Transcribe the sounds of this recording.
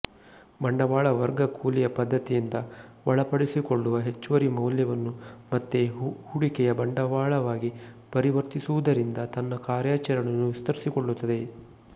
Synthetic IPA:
bɐɳɖɐʋaːɭɐʋɐɾɡɐkʰuːlijɐpɐd̪ʱːɐt̪ijind̪ɐʋɐɭɐpɐɽisiko̞ɭːuʋɐɦe̞t͡ʃːuʋɐɾimɐwljɐʋɐnːumɐt̪ːehuɽikɛjɐbɐɳɖɐʋaːɭɐʋaːɡi | pɐɾiʋɐɾt̪isuʋud̪ɐɾind̪ɐt̪ɐnːɐkaːɾjaːt͡ʃɐɾɐɳɐnːuʋist̪ɐɾisiko̞ɭːut̪ːɐd̪e̞

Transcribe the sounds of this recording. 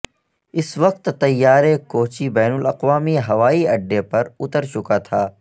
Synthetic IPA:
ɪsʋɐqt̪ːɐjːaːɾekoːt͡ʃibɛːnʊlɐqʋaːmiɦɐʋaːiɐɖːepɐɾʊt̪əɾt͡ʃʊkat̪ʰaː

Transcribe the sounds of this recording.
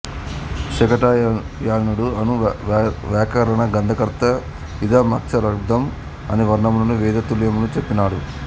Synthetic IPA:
ʃɛkɐʈa | jaːnuɽuɐnu | ʋaːkɐɾɐɳɐɡɐnd̪ʱɐkɐɾt̪ːɐ | ʋid̪ʱɐmɐkt͡ʃʰɐɾɐɡd̪ɐm | ɐ̰niʋɐɾɳɐmlonuʋiːd̪ɐt̪uljɐmunut͡ʃepːinaːɽu

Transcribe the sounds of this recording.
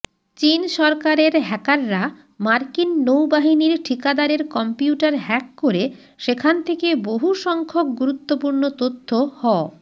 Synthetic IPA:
t͡ɕinʃɔɾkaɾeɾɦɛkaɾːa | maɾkinːowbaɦiniɾʈʰikad̪aɾeɾkɔmpiuʈaɾɦɛkːoɾe | ʃekʰant̪ʰekeboɦuʃɔŋkʰok̚ɡuɾut̪ːopuɾnot̪ot̪ʰːohɔ

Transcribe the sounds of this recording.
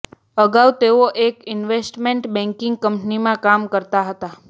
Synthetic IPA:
əɡawt̪eoʔekɪnʋesʈmeɳʈbɛ̃ŋkɪ̃ŋɡ̚kəmpnimãkamkəɾt̪aɦət̪a

